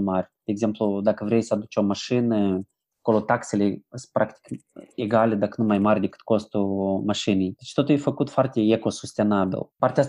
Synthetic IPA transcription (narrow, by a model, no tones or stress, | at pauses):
marʲd̪̥ʲeːɡze̞mplud̪akəvɾʲejsəad̪ut͡ʃʲomaʃɨnə | ako̞lo̞t̪akse̞lʲespɾʔakt̪i̥keɡalʲed̪akənumajmarʲd̪ʲe̞kɨ̥t̪̚ko̞st̪umaʃinejd̪et͡ʃt̪o̞t̪ujfəkut̪foart̪eeko̞sust̪e̞nabʲḭlpart̪eas